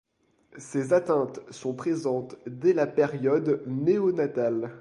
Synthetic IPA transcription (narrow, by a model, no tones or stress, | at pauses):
sezat̪ɛ̃t̪sɔ̃pχezɑ̃t̪d̪ɛlapeʁjɔd̪neonat̪al